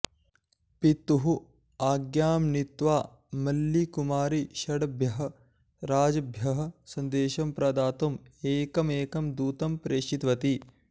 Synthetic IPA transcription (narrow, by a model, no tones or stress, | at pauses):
pit̪uɦu | aːɡjaːmnit̪ʋaː | mɐlːikumaːɾiʃɐɽɐbʱjɐɦɐ̆ | ɾaːd͡ʒɐbʱjɐɦɐ̆sɐnd̪eːʃɐmpɾɐd̪aːt̪umeːkɐmeːkɐmd̪uːt̪ɐmpɾeːʃit̪ʋɐt̪i